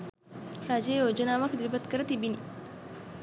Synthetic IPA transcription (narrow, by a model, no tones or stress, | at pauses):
ɾaːd͡ʒejoːd͡ʒɐnaːʋɐkd̪ɾibɐt̪kɐɾɐt̪ibini